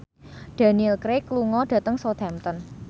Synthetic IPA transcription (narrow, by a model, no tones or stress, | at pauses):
d̪̥a̤niɛlkɾekluŋɔɖ̥ä̤t̪əŋsot̪ʰɛmt̪ɔn